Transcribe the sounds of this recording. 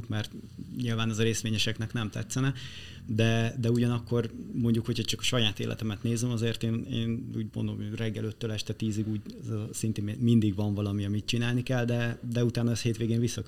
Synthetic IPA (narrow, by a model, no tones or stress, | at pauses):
kmɛrt̪ɲilvaːnɛzɒɾeːst̪ʋeːɲɛʃɛknɛknɛmt̪ɛ̰t̪sːɛnɛ | d̪ɛd̪ɛuɟɒnɒkːo̞rmo̞ɲɟukhocʰhɒt͡ʃɒkɒ̥ʃɒjaːt̪ḛːlʔɛ̰t̪ɛmɛt̪neːzɛmɒzeːrt̪eːnḛːnṵːɟmo̰nd̪o̰mrɛɡːɛlø̞t̪ːøːlɛʃt̪ɛt̪iːziɡuːɟzsint̪emmind̪iɡʋɒɱvɒlɒmiɒmit̪t͡ʃinaːlnikɛld̪ɛd̪ɛut̪aːnɒɛsheːt̪ʋeːɡeːɱvisːɒk